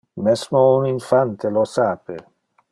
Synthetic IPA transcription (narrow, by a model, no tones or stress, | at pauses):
mɛsmouniɱfant̪elosaːpe